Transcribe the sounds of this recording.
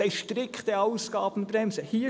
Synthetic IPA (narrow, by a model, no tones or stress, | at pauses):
aɪʃtɾɪkt̪əɑʊsɡɑːb̥n̩bɾɛmsəhiː